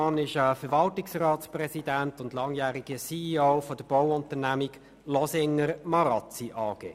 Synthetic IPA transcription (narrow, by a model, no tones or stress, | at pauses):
ɑnɪʃəfəɾʋɑltɪksrɑːtsprɛsidæntʊndlɑŋjæːɾiɡ̥əsioʊfɔd̥əb̥ɔwʊntəɾnæmiɡ | lɔsɪŋəɾmɑɾɑt͡siʔɑːɡ̥ḛː